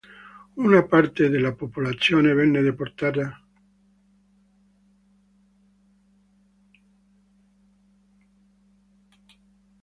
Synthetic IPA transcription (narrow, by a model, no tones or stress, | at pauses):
unapaɾt̪eðelapopulat͡sjoneβenːeðepoɾt̪aða